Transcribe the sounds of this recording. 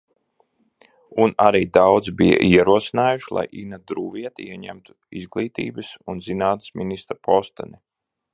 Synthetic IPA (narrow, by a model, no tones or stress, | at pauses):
unaɾiːd̪awd̪zbija̰ʔiɛɾuɔsinaːjuʃlˠa̰jʔinad̪ɾuːviɛt̪iiɛɲæ̰mt̪u̥ | izɡlˠiːt̪ḭːbɨsunzinaːt̪ə̥sminist̪ɾapʰɔst̪ɛ̰nʲɛ